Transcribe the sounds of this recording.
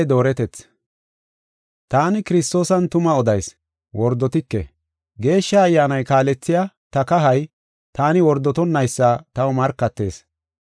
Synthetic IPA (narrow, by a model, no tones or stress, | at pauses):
d̪o̞ːɾɛt̪ɛt͡s | t̪aːnɪkɪɾɪst̪o̞ːsɐnt̪ʊmɐɔd̪ɐjs | wɔɾd̪ɔt̪ɪkːɛ̰ | ɡe̞ːʃːɐːjːaːnɐjkaːlɛt͡sːɪja | t̪ɐkɐɦɐj | t̪aːnɪwɔɾd̪ɔt̪ɔnːɐjsːat̪ɐwɔmɐɾkːɐt̪ːe̞ːs